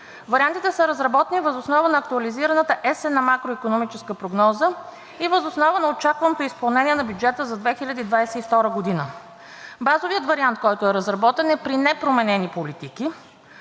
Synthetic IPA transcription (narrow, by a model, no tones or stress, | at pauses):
vɐɾiant̪it̪ɛsəɾəzɾɐbɔt̪ɛnivəzosnɔvənɐːk̚t̪uɐliziɾɐnət̪əʔɛsɛnɐmakɾoikonomit͡ʃɛskəpɾoɡnɔzə | ivəzosnɔvənɐot͡ʃakvɐnot̪ʊispɐlˠnɛnʲiɛnɐbjud͡ʒɛt̪əzɐd̪vɛxilʲɐd̪iːd̪vajsɛift̪ɔɾəɡod̪inə | bazoviət̪vɐɾiant̪̚kɔjt̪ʊɛɾəzɾɐbɔt̪ɛnɛpɾinɛpɾomɛnɛnipolit̪iki